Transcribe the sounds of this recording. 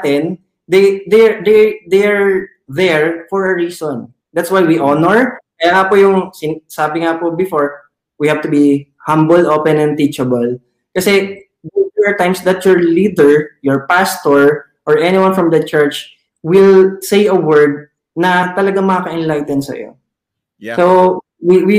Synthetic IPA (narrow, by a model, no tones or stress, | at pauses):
t̪ɛn | d̪ɛjd̪ɛd̪ɛd̪ejaɹ | ðɛɹfɔɹɐɹiːsɔn | d̪at̪swajwiʔɔnɔɹkɐjaːŋapojʊŋsɪnsaːbɪŋapobɪfɔɹ | wihavt̪ʊbi | hãmbəlʔoːpɛ̃nɛ̃nt̪it͡ʃɐbɐl | kɐsɛ | dɛɛɹt̪ãjmsd̪ɐt̪̚jɔɹlid̪ɛɹjɔɹpast̪ɔɹ | ʔɔɹʔɛnɪwãnfɹɔmd̪ɐt͡ʃɛɹt͡ʃ | wɪlsejɐwɛɹd̪̚ | nɐt̪ɐlɐɡaŋmɐkakɐʔɛnlajt̪ɛnsɐ̰jo̰ | so | wiwi